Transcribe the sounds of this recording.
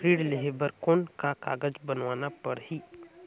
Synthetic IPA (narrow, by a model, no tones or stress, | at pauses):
ɾiːɽleɦebəɾkoːnkaka̰ːɡəd͡ʒbənʋaːnapəɽɦiː